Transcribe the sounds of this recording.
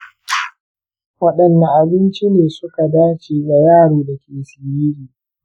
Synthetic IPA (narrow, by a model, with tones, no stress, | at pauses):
wɐ˦ɗɐ˨nːa˨ʔa˨bɪ˦nt͡ʃi˦neː˨sʊ˦ka˨daː˦t͡ʃiː˨ɡa˨jaː˦˨ɽoː˨dɐ˨kʲeː˨sɪ˨ji˦ɾiː˨